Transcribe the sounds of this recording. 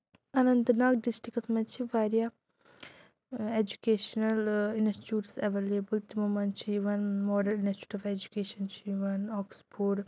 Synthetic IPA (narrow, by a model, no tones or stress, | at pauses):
ɐnɐnt̪ɐnaːkɖisʈɾikɐsmɐt͡ʃʰiʋaːɾija | ed͡ʒukeːʃɐnɐlinsʈit͡ʃuːɾsɐʋeːleːbəlt̪imumɐnt͡ʃʰijʋɐnmɔːɖɐlinsʈu̥ʈiʋed͡ʒukeːʃɐnt͡ʃʰiʋɐnɔːkspʰoːɖ